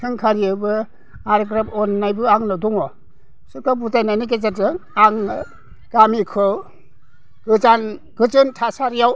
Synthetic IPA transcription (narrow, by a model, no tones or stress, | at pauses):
kʰɯŋkʰaɾiɯbɯ | aɾɡɾapɔnːajbɯaŋnɯdɔŋɔ | sɯkabutajnajnɯk̬ezatɯaŋ | ɡ̥amikʰɯ | ɡ̥ɯzan | ɡɯd͡ʒɯntʰasaɾjaw